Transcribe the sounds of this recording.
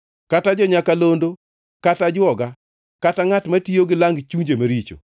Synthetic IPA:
katad͡ʒɔɲakalondo | katad͡ʒɔɡa | kataŋatmatioɡɪlaŋɡt͡ʃuɲd͡ʒemaɾit͡ʃo̰

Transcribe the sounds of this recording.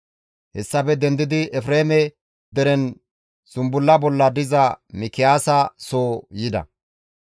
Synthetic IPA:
hɛsːɐbɛd̪ɛnd̪ɪd̪ɪɛfɾeːmɛ | d̪ɛɾɛn | sʊmbʊlːɐbɔlːɐd̪ɪzɐmɪkɪjaːsɐsoːjɪd̪ɐ̰

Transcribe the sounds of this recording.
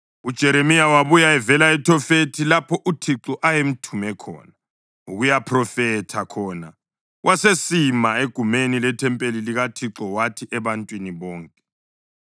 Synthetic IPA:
ud̥ʒ̥ʱɛɾemijawaβujaɛvɛlaɛtʰɔfetʰilapʰɔʔutʰiǁɔʔajem̩tʰumɛkʰɔ̰ːna | uɣujapʰrɔfɛtʰakʰɔna̰ | wʔasesimaeɡ̥ʱumenilɛtʰɛmpʼeliliɣatʰiǁɔwatʰiʔɛβantʼwiniβɔːŋkʼɛ̥

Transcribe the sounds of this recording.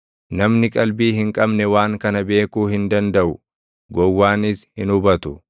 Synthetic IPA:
nɐmnɪkʼɐlbiːɦɪŋkʼɐbnɛwaːŋkɐnɐbe̞ːkuːɦɪnd̪ɐnd̪ɐʔʊ | ɡɔwːaːnɪshɪnʊbɐt̪ʊ

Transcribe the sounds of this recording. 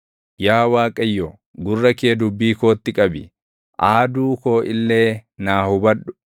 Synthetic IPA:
jaːwaːkʼɐjːɔ | ɡʊrːɐkeːd̪ʊbːiːko̞ːt̪ːɪkʼɐbɪ̰ | ʔaːd̪uːkoːʔɪlːe̞ːnaːhʊbɐɗʊ̥

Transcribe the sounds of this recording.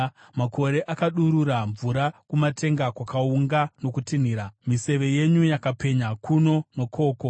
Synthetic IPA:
makʰo̞ɾe̞ʔakaɗuɾuɾaɱvuɾakumatʰe̞ŋɡakwakauŋɡano̞kutin̤iːɾamise̞ʋe̞je̞ɲujakape̞ɲakuno̞no̞kʰo̞ːko̞

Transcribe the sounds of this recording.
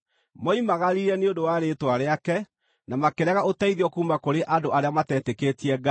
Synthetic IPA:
mɔimaɣaɾiɾɛneondowaːɾetwaɾeakɛ | namakeɾɛɣaotaiðiɔkuːmakoɾeʔadoaɾeamatɛːteketiɛɡa

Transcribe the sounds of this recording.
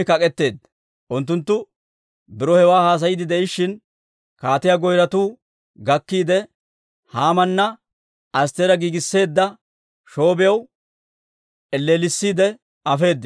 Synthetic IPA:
ɪkɐkʼɛt̪ːe̞ːd̪ | ʔʊnt̪̬ːʊnt̪ːʊ | bɪɾɔhɛwaːhaːs̬ɐjɪd̪ɪd̪ɛɪʃːɪn | kaːt̪ɪjaɡɔjɾɐt̪uː | ɡɐkːiːd̪ɛ | haːmɐnːɐ | ɐs̬t̪eɾɐɡiːɡɪsːe̞ːd̪ːɐ | ʃo̞ːbɪjɐw | ɛlːeːlɪsːiːd̪ɛ | ɐfe̞ːd̪ːɪ

